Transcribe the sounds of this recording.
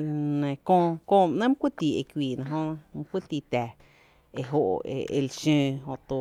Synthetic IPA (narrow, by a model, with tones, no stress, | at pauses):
nẽ˨kõː˦˧kõː˦˧mʔnə̃˦m˦kʷi˦t̪iː˨e˧˨kʷiː˨nã˧ɦo˦nã˧m˦kʷi˦t̪i˧t̪ɛ˨ | e˧ɦo˧ʔḛ˨ḛ˧˨lʃə̃˧ɦo˧˨ʔt̪o˧